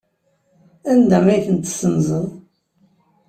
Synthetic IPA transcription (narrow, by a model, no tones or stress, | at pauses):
ænd̪æmæjθənt̪sənzˤəðˤ